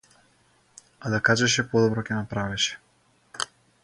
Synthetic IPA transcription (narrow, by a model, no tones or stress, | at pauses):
ad̪akaʒɛʃɛpɔd̪ɔbɾɔkʲɛnapɾavɛʃɛ̥